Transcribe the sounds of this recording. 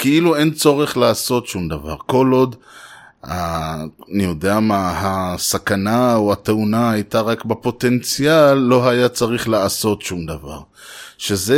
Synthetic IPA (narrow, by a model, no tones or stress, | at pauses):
keiluent͡so̞ʁe̞χlaːso̞t̪ʃumd̪ava̰ʁko̞lo̞d̪ | haanijo̞d̪eamahasakanaoat̪eunaajt̪aʁakbepo̞t̪e̞nt͡sijalːo̞ɦajat͡saʁiχlaaso̞tʃumd̪ava̰ʁ | ʃeze